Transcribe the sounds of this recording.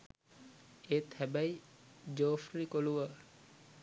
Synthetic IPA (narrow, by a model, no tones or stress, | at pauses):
eːt̪ʰæbæjd͡ʒoːfɾikoluʋə